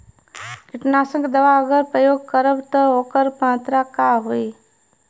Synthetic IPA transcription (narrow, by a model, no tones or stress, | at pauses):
kɪʈnaːsə̃kd̪əʋaəɡəɾpɾəjoːɡ̚kəɾəʋt̪ɔɦoːkəɾpãːt̪ɾakaɦoi